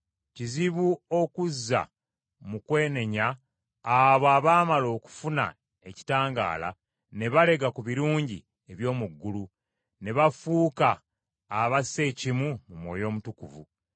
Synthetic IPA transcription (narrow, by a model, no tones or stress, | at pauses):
ciziβuo̞kuzːa̰ | mukwe̞ːne̞ɲaː | βoaːβaːmalo̞ːku̥funa̰ | e̞ci̥taːŋɡa̰ːla̰ | ne̞βale̞ɡakuβiɾuːɲɟḭ | e̞βjo̞ːmuɡːulu | ne̞βafuːkaː | βase̞ːcimumumwo̞̰ːjo̞ːmutukṵvṵ